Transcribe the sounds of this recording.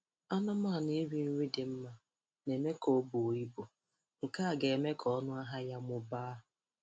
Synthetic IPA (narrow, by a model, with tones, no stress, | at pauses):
a˦na˦ma˦˨ni˦ɾi˦n̩˦ŋʷi˦dɪ˨m̩˦ma˦ | ne˨me˦ko˦bu˨o˨i˦bo˨ | ŋ̩˨ka˦a˨ɡe˨e˨me˦kʰɔ˦nʊ˦a˦ɦa˦ja˦mʊ˦baː˦